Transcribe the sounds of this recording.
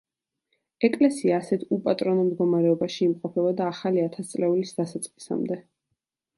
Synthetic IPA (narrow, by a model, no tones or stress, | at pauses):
ɛkʼlɛsiaːsɛt̪ʰupʼat̪ʼɾɔnɔmd̪ɡɔmaɾɛɔbaʃiːmqʼɔpʰɛbɔd̪aːχaliat̪ʰast̪sʼlɛulisd̪asat̪sʼqʼi̥sa̰md̪ɛ